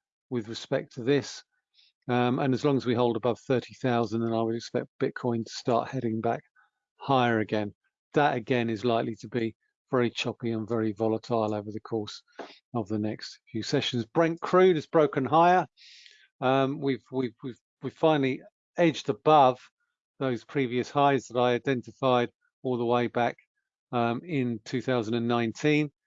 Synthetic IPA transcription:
wɪðɹɨspɛk̚tʰəðɪs | ʌ̃mə̃nəzlɒ̃ŋəzwiɦoʊlˠdəbʌv̥θɜˑ˞ɾiθaʊzə̃ndə̃naɪwəɾɨkspɛ̰k̚t̚b̥ɪt̚kʰɔ̃ɪ̃ntʰə̥stɑ̰ˑɹʔhɛɾɪ̃ŋbak | haɪəɹɨɡɛ̃n | ðəɾɨɡɛ̃nɪzlaɪklitəbi | vɛɹit͡ʃʰɒpiə̃nvɛɹivɒlˠə̃tʰaɪlˠəʊvə˞ðəkʰɔɹs | əvðənɛkstfjʉsɛʃə̃n̩zbɹɛ̃ŋkʰɹ̥ʉːɾɨzbɹəʊkə̃nɦaɪə | ʌ̃mwivwivwiv | wiv̥fãɪ̃nəl̩ˠi | eɪd͡ʒdəbʌv̥ | ðəʊz̥pʰɹ̥iːviəshaɪzðəɾaɪaɪdɛ̃ntɪfaɪd | ɔlˠðəweɪbak | ʌmɪ̃ntʰʉːθaʊzə̃ndə̃nːãɪ̃ntʰĩn

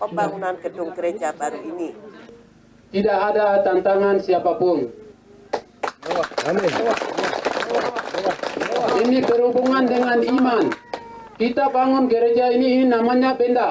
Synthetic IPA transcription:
pəbaŋunankədʊŋɡəɾed͡ʒabaɾuini | t̪idaʔadat̪ant̪aŋansiapapʊn | inipəɾubuŋandəŋanimankit̪abaŋunɡəɾed͡ʒaininamaɲabɛnda

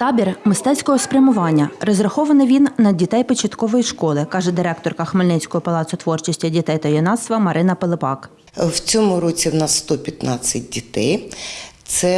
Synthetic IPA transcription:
t̪ɑbʲirmɪst̪ɛt͡sʲkɔɦɔspɾʲɐmʊʋɑnʲːɐrɔzrɐxɔʋɐnɪʋʲinːɐdʲit̪ɛjpɔt͡ʃɐt̪kɔʋɔjiʃkɔlˠɪkɑʒɛd̪ɪɾɛkt̪ɔrkɐxmɪlʲnɪt͡sʲkɔɦɔpɐlˠɑt̪sʊt̪ʋɔrt͡ʃɪsʲtʲɐdʲit̪ɛjt̪ɐjɔnɑt̪st̪ʋɐmɐɾɪnɐpelˠɪpɑk | wt͡sʲɔmʊɾɔt͡sʲiwnɑsst̪ɔpʲjɐt̪nɑt͡sʲːɐt̚ʲdʲit̪ɛjt̪sɛ

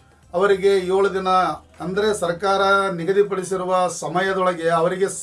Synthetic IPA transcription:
ɐʋɐɾiɡe̞joːɭud̪inɐ | ɐnd̪ɐɾe̞sɐɾkaːɾɐniɡɐd̪ipɐɽisiɾuʋɐsɐmɐjɐd̪ɔɭɐɡeɐʋɐɾiɡe̞s

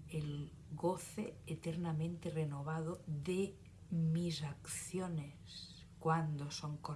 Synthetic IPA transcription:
el | ɣoθeːt̪eɾnamẽnt̪erenoβ̞aðoðe | mizakθjones | kwand̪osoŋko

